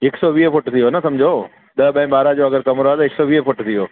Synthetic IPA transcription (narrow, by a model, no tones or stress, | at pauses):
ɪksɔʋiːfʊʈt̪ʰijonɐsɐmd͡ʑʱoː | ɗ̪ɐɓɐ̃ɪ̃ɓaːɾad͡ʑoɐɡəɾkɐmɾoat̪ɐɦɪksɔʋiːəfʊʈt̪ʰijoː